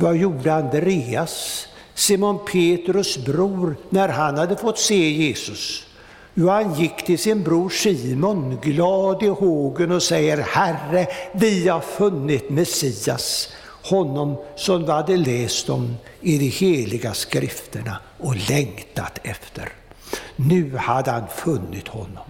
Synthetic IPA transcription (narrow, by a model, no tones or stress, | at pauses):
vajuːɖəand̪ɾeːasː | imʊnpʰeːt̪ɾɵsbɾuːɾnæɾɦanhad̪ːəfɔt̪ːseːjeːsɵs | jʊhanjɪkːt̪ʰɪlsɪnbɾuːʂiːmɔnɡlɑːd̪ɪhoːɡənɔsɛjəɾhærəvɪhaɾfɵnːɪt̪mɛsiːas | hɔnːɔmsɔmd̪ɪhad̪ːəlɛːst̪ɔmɪd̪ɛheːlɪɡaskɾɪft̪əɳa | ɔlɛŋt̪a̰t̪ɛft̪ʰə̰ɾ | nʉ̟ːhad̪ːəhanfɵnːɪt̪hɔnːɔm